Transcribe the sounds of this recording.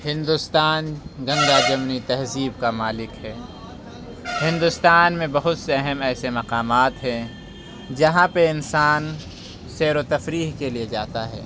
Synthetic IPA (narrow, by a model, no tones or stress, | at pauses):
hɪ̃nd̪ʊst̪aːnɡɐ̃ŋɡ̪ad͡ʒɐmnit̪ɐɦziːbkamaːlɪkɦɛː | hɪ̃nd̪ʊst̪aːnmẽbɐɦʊt̪seɐɦɛmɛːsemɐqaːmaːt̪ɦɛ̃ | d͡ʒɐɦãpeɪnsaːn | seːɾot̪ɐfɾiːɦkelied͡ʒaːt̪aɦɛ̰ː